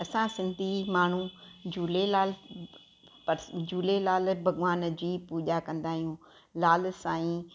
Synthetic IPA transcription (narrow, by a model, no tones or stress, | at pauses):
ɐsãsɪ̃nd̪ʱimaːɳ̤ũd͡ʑuːlelaːl | pɐɾd͡ʑuːlelaːlbʱɐɡʋaːnd͡ʑiːpuːʄakɐ̃nd̪aːɦijũ | laːlsãːĩ